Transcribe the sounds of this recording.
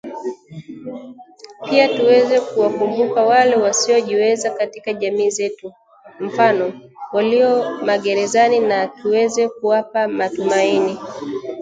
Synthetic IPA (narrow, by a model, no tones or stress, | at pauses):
piatuwɛzɛkuwakumbukawalɛwasiɔʄiwɛzakatikaʄamiːzɛtu | m̩fanɔwaliɔmaɠɛɾɛzaninatuwɛzɛkuwapamatumaini